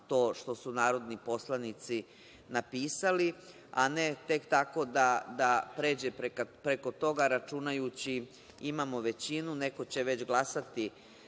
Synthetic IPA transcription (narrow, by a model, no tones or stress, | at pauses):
t̪o̞ːʃt̪o̞sunaːɾo̞d̪nipo̞slˠanit̪si | napiːsali | a̰ne̞t̪e̞kt̪ako̞d̪ad̪apɾe̞ːd͡ʑepɾekpɾe̞ko̞t̪o̞ɡaɾat͡ʃunajut͡ɕi | imamo̞ʋe̞t͡ɕinune̞ko̞t͡ɕe̞ʋe̞t͡ɕɡlˠasat̪i